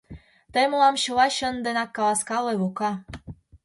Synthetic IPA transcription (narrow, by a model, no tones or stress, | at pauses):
t̪əmlɑmɕɤ̆lɑɕə̆nd̪enɑkːɑlɑskɑleβokɑ